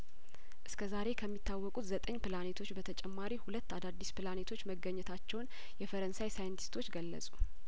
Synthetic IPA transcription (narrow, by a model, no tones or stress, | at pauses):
ʔɨskʰəzaɾe̞kʰəmːit̪ːawːɔkʼut̪zət̪ʼəɲːpɨlanet̪ʰo̞t͡ʃːbət̪ʰət͡ʃʼɛmːaɾihulət̪ːad̪ad̪ːispʰɨlanet̪ʰo̞t͡ʃːməɡəɲːɛt̪ʰat͡ʃːɛwn | jɛfəɾənsajsajənt̪ʰi̥st̪ʰo̞t͡ʃːɡəlːə̰sʼu